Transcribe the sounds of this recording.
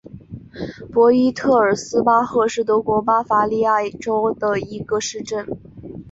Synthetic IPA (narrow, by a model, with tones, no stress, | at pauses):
pwɔ˧˥i˥t̪ʰɤ˥˩ə˞˨˩sɹ̩˥pa˥xɤ˥˧ʂɻ̩˥˩t̪̬ɤ˧˥kwɔ˧˥pa˥fa˧˥li˥˧a˥˩ɪʈ͡ʂo˥ʊd̪ə˨i˧˥ɡə˧ʂɻ̩˥˧ʈ͡ʂə˥˩n